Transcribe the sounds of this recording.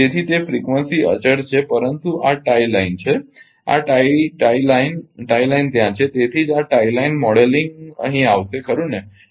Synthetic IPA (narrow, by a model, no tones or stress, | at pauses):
et̪ʰiːt̪efɾikʋənsiə̰t͡ɕəɽt͡ɕʰepəɾənt̪uʔaʈailaint͡ɕʰe | a̰ʈajʈajlainʈailaint̪jãt͡ɕʰet̪et̪ʰiːd͡ʒaʈailainmɔɽeliŋɡə̰ɦĩaʋsekʰəɾũːne